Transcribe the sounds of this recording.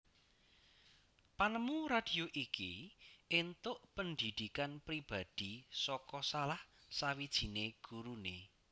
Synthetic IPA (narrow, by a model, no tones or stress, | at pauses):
panəmuɾad̪̥i̤oʔikiʔɪnt̪ʊʔpənd̪id̪̥i̤kanpɾib̥a̤d̪̥isɔkɔsalahsawid̥ʒ̥i̤neɡ̥uɾune